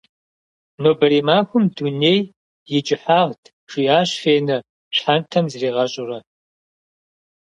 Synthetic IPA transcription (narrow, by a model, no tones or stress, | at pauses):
noːbɐɾiːmaːxʷʊmduneːj | jɪt͡ʃʼɪħaːʁtʰ | ʂijaːɕfeːnɐ | ɕħantʰɐmzriːʁɐɕʼʊrɐ